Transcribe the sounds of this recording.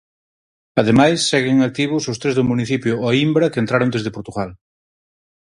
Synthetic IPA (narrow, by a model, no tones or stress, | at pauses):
ɐðemajsːɛɣeŋak̚t̪iβ̞ʊsost̪ɾezðʊmuniθipjʊaimbɾɐkent̪ɾaɾond̪ezðepoɾt̪uɣal